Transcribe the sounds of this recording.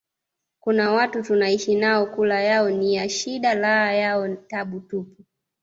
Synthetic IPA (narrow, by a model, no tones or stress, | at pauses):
kunawatutunaiʃinaɔkulajaɔnijaʃiɗalaːjaɔtaɓutupu